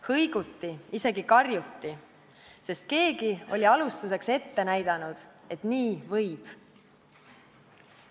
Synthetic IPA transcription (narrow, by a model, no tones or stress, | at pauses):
hɤjɡ̥ut̪ːiise̞ɡikɑrjut̪ːi | se̞st̪̚ke̞ːɡ̥io̞̰lʲiɑlust̪use̞kse̞t̪ːe̞næjd̪̥ɑnud̪̥e̞t̪niːvɤjb̥